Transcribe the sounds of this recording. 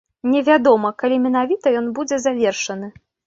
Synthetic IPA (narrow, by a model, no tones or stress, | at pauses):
nʲɛvʲad̪ɔmɐkalʲimʲɛnavʲit̪ɐjɔnbud͡zʲɛzavʲɛrʂɐnɨ